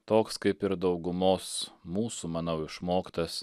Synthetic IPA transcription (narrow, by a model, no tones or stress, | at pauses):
t̪oːkskɐɪpɪɾd̪ɐʊɡʊmoːsmuːsuːmɐnɐʊɪʃmoːkt̪ɐs